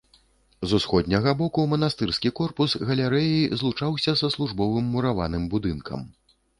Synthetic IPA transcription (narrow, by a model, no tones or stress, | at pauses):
zusxɔd̪ʲnʲɐɣɐbɔkumɐn̪ast̪ɨrskʲikɔrpusɣɐlʲɛɾɛjizlˠut͡ʂawsʲɐsɐslˠuʐbɔvɨmːuɾava̰nɨmbud̪ɨnkʰɐ̰m